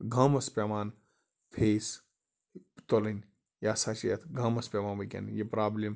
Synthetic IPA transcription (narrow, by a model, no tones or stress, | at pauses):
ɡʱamɐspʲemaːn | pʰeːs | t̪olɐnʲ | jaːsat͡ʃijɐt̪ʰɡʱamɐspʲemaːnʋikʲḛnjipɾaːblim